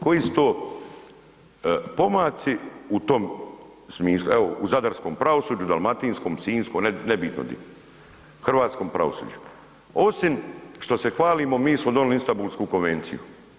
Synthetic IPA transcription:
ko̞jiːsu̥t̪oː | po̞maːt̪siut̪o̞m | smiːslueouzad̪aɾsko̞ːmpɾaʋo̞suːd͡ʒud̪a̰lˠmat̪iːnskoːmsiːnskonnebiːt̪no̰d̪ḭ | xr̩ʋaːt̪sko̞ːmpɾa̰ʋo̰sṵːd͡ʒu | o̞simʃt̪o̞se̞xʋaːliːmomiːsmod̪o̞nlinst̪abulskuːkonʋent̪sḭṵ

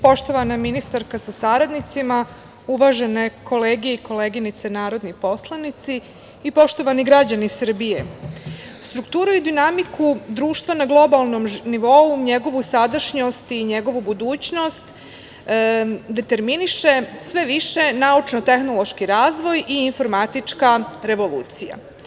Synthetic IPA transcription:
po̞ʃt̪o̞ʋanaminist̪aɾkasasaɾad̪nit̪sima | uʋaːʒene̞kʰo̞leːɡijeiko̞leːɡinit̪senaːɾo̞d̪nipo̞slˠanit̪si | ipo̞ʃt̪o̞ʋaniɡɾad͡ʑanisr̩bije | st̪ɾukt̪uːɾuid̪inamikud̪ɾuːʃt̪ʋanaɡlˠo̞balˠnomniʋo̞uɲeɡo̞ʋusad̪aʃɲo̞st̪iɲeɡo̞ʋubud̪uːt͡ɕno̞st̪ | d̪e̞t̪e̞ɾminiʃe̞sʋe̞ʋiʃe̞naut͡ʃnot̪e̞xno̞lo̞ʃkiɾaːzʋo̞jiːɱfo̞ɾmat̪it͡ʂkaɾe̞ʋo̞lṵːt̪sija̰

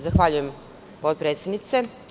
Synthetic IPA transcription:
zaxʋaʎujem | pot̪̚pɾet̪sed̪nit̪se

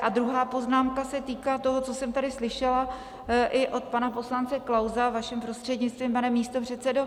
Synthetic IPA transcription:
ʔad̪ɾuɦaːpo̞znaːmkasɛt̪iːkaːt̪o̞ɦot͡so̞sɛmt̪adɪslɪʃɛla | ʔɪʔo̞t̪̚panapo̞slant͡sɛklawzavaʃɛmpɾo̞st̪r̥ɛdɲɪtt͡st̪viːmpanɛmːiːst̪o̞pr̝̥ɛt̪t͡sɛdo

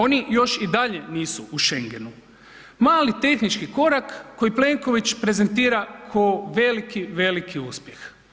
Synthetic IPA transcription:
o̞nijo̞ʃid̪aʎe̞niːsuuʃe̞ŋɡe̞nu | maːlit̪e̞xnit͡ʃkiko̞ɾakːo̞jiple̞ŋko̞ʋit͡ɕpɾe̞ze̞nt̪iːɾakʰooʋe̞likiʋe̞likʰiuspje̞x

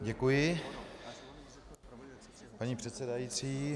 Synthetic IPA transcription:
ɟɛkujɪ | paɲiːpr̥ɛt̪sɛdajiːt͡siː

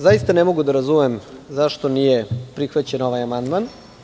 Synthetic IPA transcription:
zajist̪anemoɡud̪aɾazumemzaʃt̪o̞nijepɾixʋat͡ɕe̞no̞ʋajamand̪man

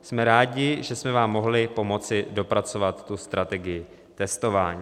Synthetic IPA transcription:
smɛɾaːɟɪʒɛsmɛvaːmːo̞ɦlɪpo̞mo̞t͡sɪdo̞pɾat͡so̞vat̪ːust̪ɾʔat̪ɛɡɪjɪ | t̪ɛst̪o̞vaːɲiː

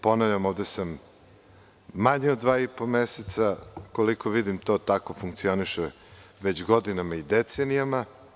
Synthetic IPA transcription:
po̞navʎamo̞ːʋd̪esam | aɲeod̪d̪ʋaːipomeset̪sakolikoʋid̪imt̪o̞ːt̪ako̞fuŋk̚t̪sio̞niʃe | ʋe̞t͡ɕɡo̞d̪inamaid̪et̪senijama

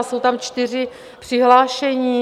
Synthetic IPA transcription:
sowt̪amt͡ʃt̪ɪr̝ɪ | pr̥ɪɦlaːʃɛɲiː

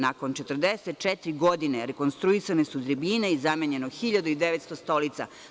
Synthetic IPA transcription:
nako̞nt͡ʃet̪ərd̪eset̪̚t͡ʃɛt̪ɾiɡo̞d̪ineɾeko̞nst̪ɾuisanesud̪ɾebineizameɲe̞noxiʎad̪uid̪eʋet̪st̪o̞st̪o̞lit̪sa̰

